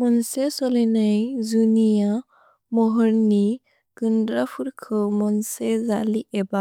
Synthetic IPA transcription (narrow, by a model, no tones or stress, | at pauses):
mɔnsesɔlinajzunija | mɔɦɔɾni | kɯndɾapʰuɾkʰɯmɔnsezaliʔɛba